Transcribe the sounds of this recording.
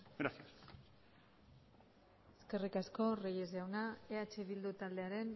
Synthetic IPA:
ɡɾasias | eske̞rikasko̞rejezawnaeat͡ʃeβild̪ut̪ald̪e̞aɾe̞n

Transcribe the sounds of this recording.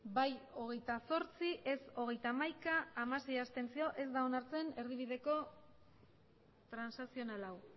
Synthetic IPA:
bajo̞ɣ̞e̞jt̪aso̞ɾt͡siʔe̞so̞ɣ̞e̞jt̪amajkaːmase̞jast̪e̞nt͡sio̞ʔe̞zd̪ao̞naɾt͡se̞ne̞ɾðiβiðe̞ko̞ | t̪ɾansasio̞nalaw

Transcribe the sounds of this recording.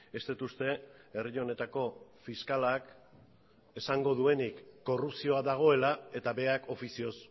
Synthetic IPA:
e̞st̪et̪ust̪e̞erio̞ne̞t̪ako̞fiskalak | e̞saŋɡo̞ðue̞nikːo̞rupsio̞aðaɣ̞o̞e̞lae̞t̪aβe̞akʰo̞fisio̞s

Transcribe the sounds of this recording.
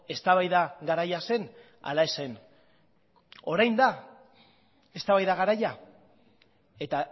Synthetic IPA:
e̞st̪aβajðaɣaɾajase̞n | a̰lae̞se̞n | o̞ɾajnd̪a | e̞st̪aβajðaɣaɾaja | e̞t̪a

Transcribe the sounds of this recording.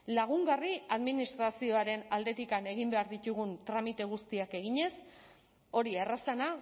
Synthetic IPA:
laɣ̞uŋɡariaðminist̪ɾasio̞aɾe̞nald̪e̞t̪ikane̞ɣ̞imbe̞aɾðit̪uɣ̞unt̪ɾamit̪e̞ɣ̞ust̪iake̞ɣiɲe̞s | o̞ɾierasana

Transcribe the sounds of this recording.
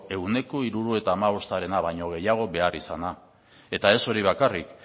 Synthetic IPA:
e̞wne̞ko̞iɾuɾue̞t̪aːmaβ̞o̞st̪aɾe̞naβajɲo̞ɣ̞e̞jaɣ̞o̞βe̞arisana | e̞t̪ae̞so̞ɾiβ̞akarik

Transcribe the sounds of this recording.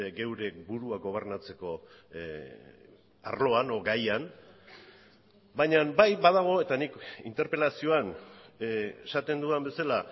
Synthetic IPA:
ɡe̞wɾe̞buɾuaɡo̞β̞e̞ɾnat͡se̞ko̞ | a̰ɾlo̞anɡajan | bajɲambajβaðaɣ̞o̞e̞t̪anikḭnt̪e̞ɾpe̞lasio̞an | eʃat̪e̞nd̪uembe̞sala

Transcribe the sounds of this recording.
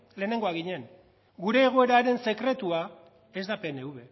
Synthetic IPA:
le̞ːne̞ŋɡo̞aɣiɲe̞ŋ | ɡuɾe̞ːɣ̞o̞e̞ɾaɾe̞nse̞kɾe̞t̪ua | e̞zd̪ape̞ne̞uβe̞

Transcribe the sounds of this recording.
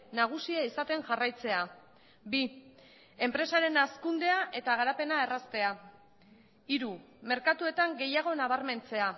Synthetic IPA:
naɣ̞usiaisat̪e̞ŋʝarajt͡se̞a | bi | e̞mpɾe̞saɾe̞naskund̪e̞aʔe̞t̪aɣ̞aɾape̞nae̞rast̪e̞a | iɾu | me̞ɾkat̪ue̞t̪aŋɡe̞jaɣ̞o̞naβ̞aɾme̞nt͡se̞a

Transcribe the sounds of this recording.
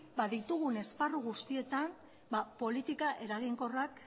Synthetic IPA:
baðit̪uɣ̞une̞sparuɣust̪ie̞t̪an | bapo̞lit̪ikaʔe̞ɾaɣiŋko̞rak

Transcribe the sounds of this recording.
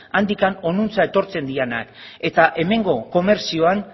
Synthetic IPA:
and̪ikano̞nunt͡sae̞t̪o̞ɾt͡se̞nd̪iana̰ke̞t̪aʔe̞me̞ŋɡo̞ko̞me̞ɾsio̞an

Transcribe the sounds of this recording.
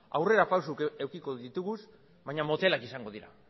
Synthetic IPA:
a̰wre̞ɾapawsukewkiko̞ðit̪uɣus | βajɲamo̞t̪e̞lakisaŋɡo̞ðiɾa̰

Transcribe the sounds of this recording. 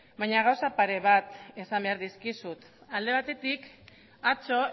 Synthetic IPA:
bajɲaɣ̞awsapaɾe̞β̞at̪e̞sambe̞aɾðiskisut̪ | ald̪e̞β̞at̪e̞t̪ik | at͡so̞

